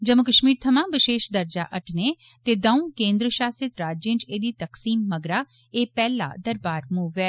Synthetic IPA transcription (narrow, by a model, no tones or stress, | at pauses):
d͡ʒəmʊkəʃmiːɾt̪ʰəmãːʋɪʃeːʃd̪əɾd͡ʒa̰ːʔəʈneː | t̪eːd̪əũːkẽːnd̪ɾəʃaːsɪt̪ɾaːd͡ʒjẽːnt͡ʃeːd̪iːt̪əksiːmːəɡɾaː | eːpɛːla̰ːd̪əɾbaːɾmuːʋɛː